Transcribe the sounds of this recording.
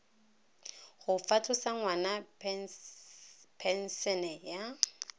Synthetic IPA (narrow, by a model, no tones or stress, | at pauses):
χʊfatʰʊsaŋwana | pʰɛn̩sɛnɛja